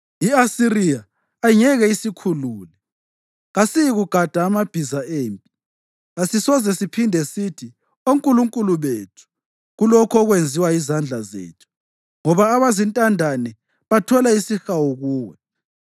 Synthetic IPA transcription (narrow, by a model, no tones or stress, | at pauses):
iasiriaː | iŋɛɣɛisikʰuluːlɛ | ɣasijiɣuɡ̥ʱad̥ʱaːmab̥ʱizaeːmpʼi | asisɔzɛsipʰindʱɛsitʰi | oŋkʼuluŋkʼuluβetʰu̥ | ɣulɔkʰɔɣwend͡zʱiwaizand͡ɮʱazḛːtʰu̥ | ŋɔβaːβazintʼandʱanɛ | βatʰɔlaisixawuɣuːwɛ